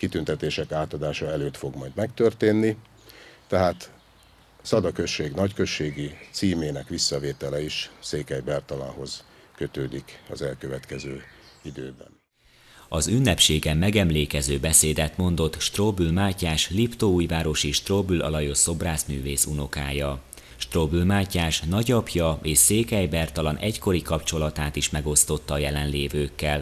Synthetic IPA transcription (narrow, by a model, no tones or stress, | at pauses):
kit̪ynt̪ɛt̪eːʃɛkaːt̪ɒd̪aːʃɒɛløːt̪fo̞ɡmɒjd̪mɛkt̪ørt̪eːnːi | t̪ɛɦaːt̪ | sɒd̪ɒkø̞ʃːeːɡnɒckø̞ʃːeːɡit̪siːmeːnɛkʋisːɒveːt̪ɛlɛiʃseːkɛjbɛrt̪ɒla̰nho̞z̥ | kø̞t̪øːd̪ikɒ̰zɛlkøvɛt̪kɛzøːid̪øːbɛ̰n | ɒzynːɛpʃeːɡɛmːɛɡɛmleːkɛzøːbɛseːd̪ɛt̪mo̞n̪d̪o̞t̪ʃt̪roːbylmaːcaːʃlipt̪ouːjvaːɾo̞ʃeːʃt̪roːbylɒ̰lɒjoso̞braːzmyːveːsuno̞ka̰ːjɒ | ʃt̪roːbylmaːcaːʃnɒɟɒpjɒeːʃseːkɛjbɛrt̪ɒlɒnʔɛcko̞ɾikɒpt͡ʃo̞lɒt̪aːt̪iʃmɛɡo̞st̪o̞t̪ːɒːjɛlɛnleːvøːkːɛl